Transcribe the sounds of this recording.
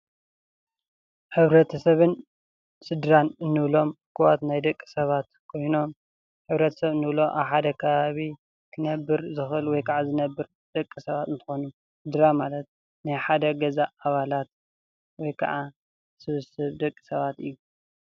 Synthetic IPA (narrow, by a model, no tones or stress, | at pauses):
ħɨβɾɐt̪ʰɐsɐβɨn | sɨd̪ɾanɨnːɨβlo̞mkʰɨwat̪najd̪ɐkʼːi̥sɐβat̪kʰo̞jno̞m | ħɨβɾɐt̪ʰɐ̥sɐβɨnːɨβlo̞ʔa̰βħad̪ɐkʰɐβaβi | kʰɨnɐbːɨɾzɨxʔɨlwɔjkʰaʕazɨnɐbːɨɾ | d̪̥ɐkʼːisɐβat̪ɨnt̪ʰɨ̥xonu | sɨd̪ɾamalɐt̪̚ | najħad̪ɐɡɐzaːβalat̪̚ | wɔjkʰɐ̰ʕa | sɨβɨsɨβd̪ɐkʼːi̥sɐβat̪ɨjːu